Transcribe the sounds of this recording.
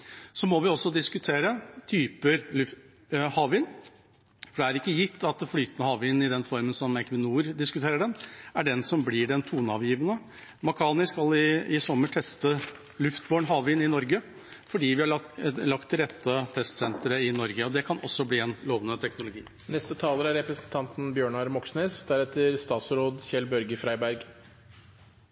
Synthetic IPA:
sɔmɔʋɪɔsːɔd̪ɪskʉt̪ʰeːɾət̪ʰyːpəɾlʉf | hɑːʋiːn | fɔɖɛæɾɪkːəjɪt̪ʰːɑt̪̚flyːt̪ənəhɑːʋiːnɪd̪ɛnfɔɾmənsɔmɛkʰʋɪnuːɾd̪ɪskʉt̪ʰeːɾəɖɛnæɖɛnsɔmbliːɖɛnt̪ʰuːnɑːʋjiːʋənə | mɑkʰɑːnɪskɑlɪɪsɔmːəʈʰɛst̪ə | lʉft̪boːɳɦɑːʋɪnːɪnɔɾɡə | fɔɖiːʋɪhɑlɑk̚t̪ʰːɪlɾɛt̪ːət̪ʰɛst̪sɛnt̪ɾəɪnɔɾɡəɔd̪ɛkʰɑnɔsːɔbliːɛnloːʋənət̪ʰɛknʊlʊɡḭː | nɛst̪ət̪ʰɑːləɾæɾɛpɾəsnt̪ʰɑnt̪n̩bjøːɳɑɾmɔksneːsd̪æɾɛt̪əɾst̪ɑːt̪sɾoːd̪çɛlbœɾɡəfɾæɪbæɾɡ

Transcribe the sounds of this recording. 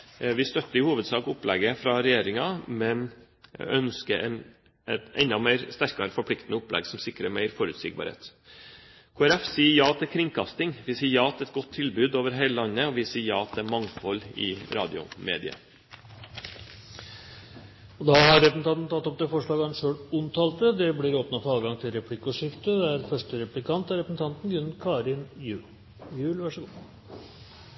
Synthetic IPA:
ʋɪst̪œt̪ːəɾɪhuːʋəd̪sɑːkʊplɛɡəfɾɑɾɛjeːɾɪŋɑmɛn̰ | ʔœnskən | ʔɛt̪ɛnd̪ɑmæɪɾst̪æɾkɑɾəfɔɾpʰlɪkt̪ənəʊplɛ̰ɡsɔmsɪkːɾəmæɪfɔɾʉːt̪sɪ̰ːɡ̚bɑ̰ɾhḛːt̪ | kʰoːæɾɛfsiːəjɑːt̪ʰɪkʰɾɪŋkʰɑst̪ɪŋʋɪsiːəjɑːɑt̪ːɛt̪ɡɔt̪ʰːɪlbʉːd̪oːʋəɾɦæɪləlɑnːəɔʋɪsiːəjɑːɑt̪̚d̪æmɑŋfɔlːɪ̰ɾɑ̰ːd̪ɪʊ̰mḛːd̪ɪ̰ə̰ | ɔd̪ɑhɑɾɾɛpəsnɑnn̩t̪ʰɑt̪ːɔp̚d̪ɛfɔʂɭɑːɡɑɛnʂøːɽʊnt̪ʰɑːlt̪əd̪ɛblɪɾoːpnɑfɔɑːʋɡɑŋt̪ʰɪlɾɛpʰlɪkːɔʂɪft̪əd̪ɛæɾfœʂʈəɾɛplɪkʰɑnt̪æɾɛpəsn̩t̪ʰɑnt̪n̩ɡɾʉnkʰɑːɾɪnjʉː | jʉːlʋæʂəɡuː

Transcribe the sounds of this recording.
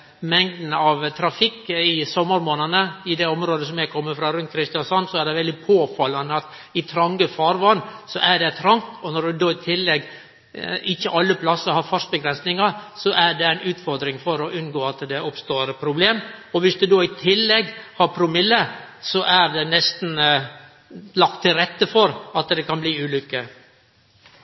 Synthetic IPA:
mɛŋd̪n̩ɑʋt̪ʰɾɑfɪkːɪsɔmːəɾmoːnənəɪd̪ɛɔmɾoːd̪əs̬ɔmɛkʰɔmːəfɾɑɾʉnt̪̚kʰɾɪst̪ɪɑnsɔnsɔæɖ̪ɛʋɛld̪ɪpʰoːfɑlːɑnəɑt̪ | ɪt̪ʰɾɑŋɡəfɑːɾʋɑnːsɔʔæɖɛt̪ʰɾɑŋt̪ɔnɔɖʉd̪oːɪt̪ʰɪlːɛɡ | ɪçːəʔɑlːəpʰlɑsəɾhɑɾfɑʂ̚bəɡɾɛnsnɪŋɑɾsɔʔæɖɛæɪnʉːt̪fɔɾd̪ɾɪŋfɔɾɔʔʉnɡoːɑt̪d̪ɛʔʊpst̪oːɾpʰɾʊbleːmɔʋɪsd̪ʉd̪oːɪt̪ʰɪlːɛɡːhɑɾpʰɾʊmɪlːə | sɔʔæɾd̪ɛnɛst̪n | lɑk̚t̪ʰːɪlɾɛt̪ːəfɔɾɑt̪d̪ɛkʰɑnbliːʉːlʏkːə

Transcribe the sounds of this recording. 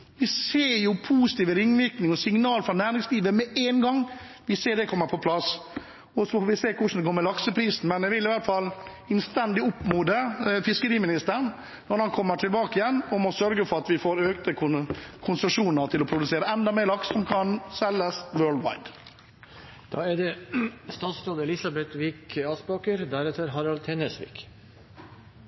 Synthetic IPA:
ʋɪseːɾjʊpʰuːsɪ̥t̪iːʋəɾɪŋːʋɪɾknɪŋɔsɪŋnɑːlfɾɑnæːɾɪŋsliːʋəmɛeːnɡɑŋː | ʋɪseːɖ̪ɛkʰɔmːəɾpʰɔpʰlɑs | ɔsɔfoːʋɪseːkʰʊʂn̩d̪ɛɡoːmɛlɑksəpʰɾiːsn̩mɛnɛʋɪlɪʋæɾt̪fɑlː | ɪnst̪ɛnd̪ɪʊpːmuːd̪əfɪskəɾiːmɪnɪst̪əɳ | nɔɾhɑnkʰɔmːəʈʰɪlbɑːkəɪjɛnːɔmɔsœɾɡəfɔɾɑt̪ʋɪfoːɾøːkt̪əkʰʊkʰʊnsəʂuːnəɾt̪ʰɪlɔpʰɾʊd̪ʉseːɾəɛnd̪ɑmeːɾɭɑkssɔmkʰɑnsɛlːəsʋøːɭd̪ʋa̰ɪd̪ | d̪̥ɑ̰ːɛd̪ɛst̪ɑːt̪sɾoːd̪əlɪsɑbɛt̪ʋiːkɑsbɑːkəɾd̪æɾɛt̪əɾɦɑɾɑlt̪ʰɛnəsʋḭːk

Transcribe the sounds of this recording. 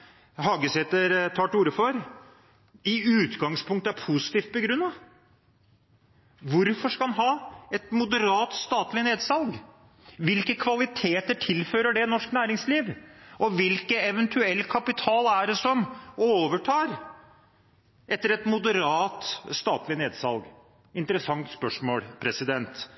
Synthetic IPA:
hɑːɡəsheːt̪əɾt̪ʰɑːʈuːɾəfɔɾ | ɪʉːt̪ɡɑŋspʰʊŋkt̪əæɾpʰusɪ̥t̪iːft̪̚bəɡɾʉnːɑ | ʋʊɾfɔʂkɑlɑnɦɑːɛt̪mʊd̪əɾɑːt̪st̪ɑːt̪lɪneːd̪sɑlɡ | ʋɪlkəkʰʋɑlɪt̪ʰeːt̪əʈʰɪlføːɾəɖɛnɔʂknæːɾɪŋsliːʋɔʋɪlkəɛʋɛnt̪ʰʉɛlːkʰɑpɪt̪ʰɑːlæɖɛsɔmoːʋəʈʰɑːɾ | ɛt̪ːəɾɛt̪mʊd̪əɾɑːt̪st̪ɑːt̪lɪneːd̪sɑ̰lɡ | ɪnt̪əɾəsɑŋt̪spœʂmoːlpʰɾɛsɪd̪ɛnt̪

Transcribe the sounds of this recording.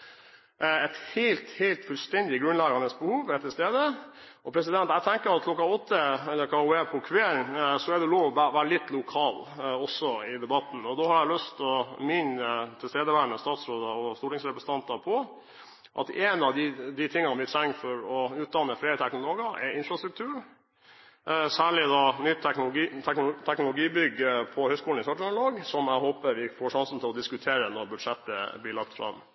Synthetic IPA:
ɛt̪helt̪heɪlt̪fʉlst̪ɛnd̪ɪɡɾʉnlɑːɡɑnəsbəhuːʋɛt̪ʰːɪlst̪eːd̪ə | ɔpʰɾɛsɪd̪ɛnt̪æt̪ʰɛŋkəɾɑt̪̚kʰlɔkːɑɔt̪ːəɛlːəɾkʰɑʊeːpʰɔkʰʋeːsɔɛɖɛloːʋɔʋæʋæːɾəlɪt̪ːlʊkʰɑːlɔsːɔɪd̪ɛbɑt̪n̩ɔd̪ɔhɑɾælœst̪ɔmɪnət̪ʰɪlst̪eːd̪əʋæːɾnəst̪ɑːt̪sɾoːd̪ɑɔst̪uːʈɪŋsɾɛpɾəsənt̪ɑnt̪ɑpʰɔ | ʔɑ̰t̪ɛnɑʋd̪ɪd̪ɪt̪ʰɪŋːɑnʋɪt̪ʰɾɛŋfɔɾɔʉːt̪̚d̪ɑnːəfɾeːət̪ʰɛknʊloːɡɑʔɛ̰ɪnfɾɑst̪ɾʉk̚t̪ʰʉːɾ | sæːɭɪd̪ɑnʏt̪ːnʊɛknt̪ʰɛknʊlʊɡiːbʏɡːəpʰɔhœʏskuːln̩ɪsɑʈɑnloːɡsɔmæɦoːpəɾʋɪfoːʂɑnsn̩t̪ʰɪlɔd̪ɪskʉt̪ʰeːɾənɔɾbʉd̪ʂɛt̪ːəblɪɭɑk̚t̪fɾɑ̰mː

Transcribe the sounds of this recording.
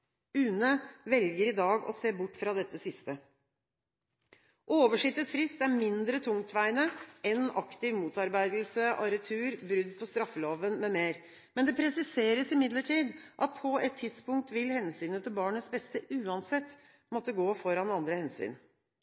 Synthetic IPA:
ʉːnəʋɛlɡəɾɪd̪ɑːɡɔ̰seːbʊʈːfɾɑd̪ɛt̪ːəsɪst̪ə | ʔoːʋəʂɪt̪ːət̪fɾɪst̪æɾmɪnd̪ɾət̪ʰʊŋt̪ʰʋæɪnəɛnɑkt̪ɪʋmuːt̪ɑɾbæɪd̪l̩səʔɑɾət̪ʰʉːɾbɾʏd̪ːpʰɔst̪ɾɑfːəloːʋənmɛmeːɾ | mɛnd̪ɛpʰɾɛsɪseːɾəsɪmɪd̪ləʈʰiːd̪ʔɑt̪̚pʰɔɛt̪ʰːɪd̪spʊŋk̚t̪ʋɪlhɛnsyːnət̪ʰɪlbɑːɳəsbɛst̪əʔʉːɑnsɛt̪ː | mɔt̪ːəɡoːfɔɾɑnɑnd̪ɾəhɛnsy̰ːn

